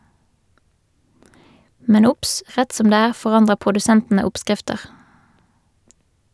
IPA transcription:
ˈmɛn ˈʊps ˈʁɛt ˈsɔm ˈdeː ˈæːʁ ˌfɔˈʁɑndʁəʁ pʁʊdʉˈsɛntn̩ə ˈɔpˌskʁɪftəʁ

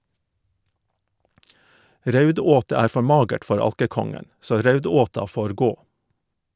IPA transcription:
ˈɾœʉˌdoːtə ˈæːɾ ˈfɔ ˈmɑːɡəʈ ˈfɔɾ ˈɑlkəˌkɔŋən ˈsoː ˈɾœʉˌdoːtɑ ˈfoːɾ ˈɡoː

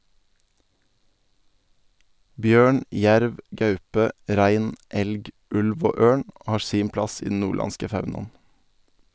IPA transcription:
ˈbjøːɳ ˈjæɾʋ ˈɡɑʉpə ˈɾæɪn ˈɛlɡ ˈʉlʋ ˈoː ˈøːɳ ˈhɑːɾ ˈsiːm ˈplɑs ˈiː dn̩ ˈnuːˌɭɑnskə ˈfɑʉnɑn̩

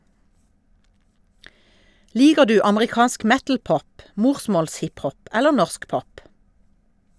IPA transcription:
ˈliːɡəʁ ˈdʉː ɑməʁɪˈkɑːnsk ˈmɛtl̩ˌpɔp ˈmuːʁsmɔlsˌhɪphɔp ˈɛlə ˈnɔʁsk ˈpɔp

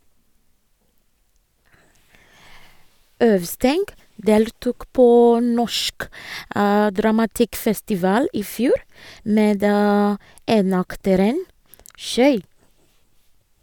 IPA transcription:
ˈœʋˌstɛŋɡ ˈdeːltuːk ˈpoː ˈnɔʃk ə dɾɑmɑˈtɪkfɛstɪˌʋɑːl ˈiː ˈfjuːɾ ˈmeːd ə ˈeːnɑktəɾən ˈʃœʏɾ

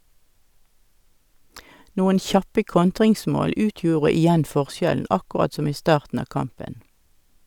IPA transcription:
ˈnuːən ˈçɑpə ˈkɔntʁɪŋˌsmoːl ˈʉːtjuːʁə ɪˈjɛn ˈfɔʁˌsjɛln̩ ɑkʊˈʁɑt ˈsɔm ˈiː ˈstɑːʁtn̩ ˈɑː ˈkɑmpən

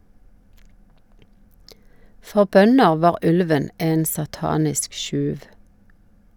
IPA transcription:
ˈfɔʁ ˈbœnəʁ ˈʋɑːʁ ˈʉlʋən ˈeːn sɑˈtɑːnɪsk ˈʃʉːʋ

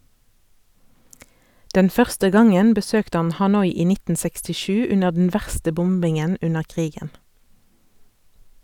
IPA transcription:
ˈdɛn ˈfœʁstə ˈɡɑŋən bəˈsøːkt ˈɑn hɑˈnɔʏ ˈiː ˈnɪtn̩ sɛkstɪˈʃʉː ˈʉnəʁ dn̩ ˈʋæʁstə ˈbʊmbɪŋən ˈʉnəʁ ˈʔkʁiːɡən

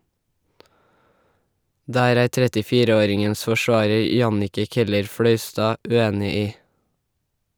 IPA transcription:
ˈdæːɾ ˈæːɾ ˌtɾɛtɪˈfiːɾə ˈoːɾɪŋəns fɔˈʃʋɑːɹəɹ ˈjɑnɪkə ˌkɛləɹˈfɽœʏˌstɑː ʉˈeːnɪ ˈiː

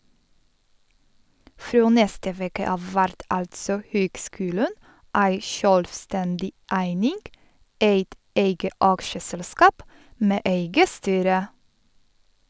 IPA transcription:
ˈfɾoː ˈnɛstə ˈʋeːkə ˈɑːʋ ˈʋæɾt ˈɑltsɔ ˈhøːɡˌskʉːlən ˈʔæɪ ˈʃœlʋˌstɛndɪ ˈæɪnɪŋɡ ˈʔeɪt ˈʔeɪɡə ˈʔɑkʃəsɛlˌskɑːp ˈmeː ˈʔeɪɡə ˈstyːɾə

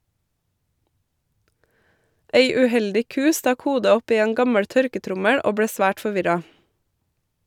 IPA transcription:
ˈeɪ ʉˈhɛldɪ ˈkʉː ˈstɑk ˈhuːdə ˈɔp ˈiː ˈeːn ˈɡɑməɽ ˈtœɾkəˌtɾʊməɽ ˈoː ˈbɽeː ˈsʋæːʈ fɔˈʋɪɾɑ

